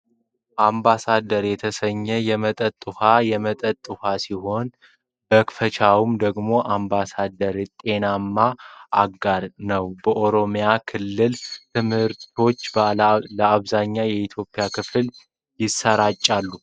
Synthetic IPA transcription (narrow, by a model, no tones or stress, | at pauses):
ʔambasad̪əɾjɛt̪ʰəsəɲːɛjɛmət̪ʼət̪ʼːɨhajɛmət̪ʼət̪ʼːɨhasiho̞n | bəkfət͡ʃʰawumd̪əɡmo̞ʔambasad̪əɾt̪ʼe̞namːaʔaɡaɾnəwbəʔo̞ɾo̞mjakʰɨlːɨlt̪ʰɨmhɨɾt̪ʰo̞t͡ʃːləaβzaɲːajɛit̪ʰjo̞pʼːɪjakʰɨfl | jɪsːəɾat͡ʃʼːalːu